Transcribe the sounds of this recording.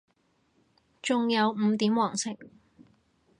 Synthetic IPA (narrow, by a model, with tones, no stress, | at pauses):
t͡sʊ˨˧ŋjɐ˨˧wm̩˨˧t̪iː˨˥mwɔː˨˩ŋsɪ̰˨˩ŋ